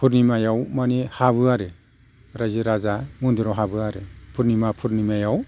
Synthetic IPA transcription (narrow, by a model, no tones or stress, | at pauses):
pʰuɾnimajawmanihaβɯaɾɯ | ɾaziɾazamundiɾɔɦabɯaɾɯpʰuɾnimapʰuɾnimajaw